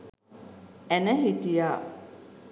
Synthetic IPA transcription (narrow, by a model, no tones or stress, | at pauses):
ænəɦit̪ijaː